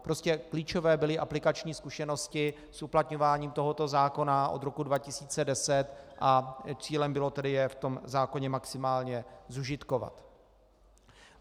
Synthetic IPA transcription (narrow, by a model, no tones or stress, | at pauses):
pɾo̞scɛkliːt͡ʃo̞vɛːbɪlɪʔaplɪkat͡ʃɲiːskuʃɛno̞scɪ | sʔuplat̪ɲo̞vaːɲiːmt̪o̞ɦo̞t̪o̞zaːko̞naʔo̞̰d̪ɾo̞kudvacɪsiːt͡sɛdɛsɛt̪ʔat͡siːlɛmbɪlo̞t̪ɛdɪjɛft̪o̞mzaːko̞ɲɛmaksɪmaːlɲɛzuʒɪt̪kova̰t̪